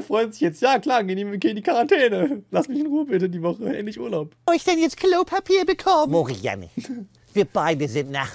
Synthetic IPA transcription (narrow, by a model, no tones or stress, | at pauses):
fʁ̥ɔʏənzɪçjɛt͡stjaːkl̥aːnɡəneːmvɪkʰiɪndiːkʰaʁantʰɛːnəlasmɪçɪnʁuːəbɪtədiːvɔχəʔɛ̰ːntlɪçʔuːɐlaʊpːɪçd̥ɛnjɛt͡skʰloʊpʰapʰiːɐbəkʰɔmoʁija̰nḭ | viːɐb̥aɪdəzɪntna̰χ